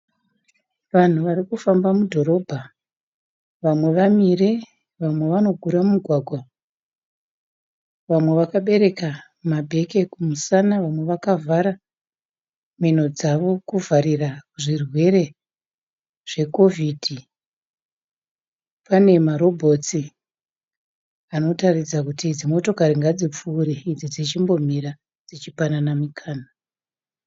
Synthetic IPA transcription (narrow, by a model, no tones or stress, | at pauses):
ʋan̤uʋaɾikufambamudʱo̞ɾo̞bʱa | ʋamwe̞ʋamire̞ | ʋamwe̞ʋano̞ɡʱuɾamumuɡʱwaɡʱwa | ʋamwe̞ʋakaɓe̞ɾe̞ka | mabʱe̞ke̞kumusanaʋamwe̞ʋakavʱaɾa | men̤o̞d͡zaʋo̞kuvʱaɾirakuʐirwe̞ɾe̞ | ʐ̥e̞ko̞vidʱi | pane̞maɾo̞bʱo̞t͡si | ano̞tarid͡zakutid͡zimo̞to̞kaɾiŋɡad͡zip͡fuːɾiid͡zid͡zit͡ʃimbo̞m̤iɾa | d͡zit͡ʃipananamikʰaːna